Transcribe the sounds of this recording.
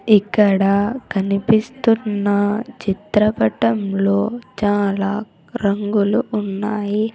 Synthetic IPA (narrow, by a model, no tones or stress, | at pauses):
ikːɐɽɐkɐnipist̪unːɐt͡ʃit̪ɾɐpɐʈɐmlo̞ːt͡ʃaːlaː | ɾɐŋɡuluːnːaːji